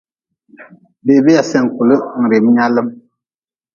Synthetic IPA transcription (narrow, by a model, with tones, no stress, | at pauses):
be˨be˦ja˨sɛ˦˨ŋ˨ku˨lɨ˦˨ŋ̩˨ɾe˨m˦ɲa˦lɨ˦m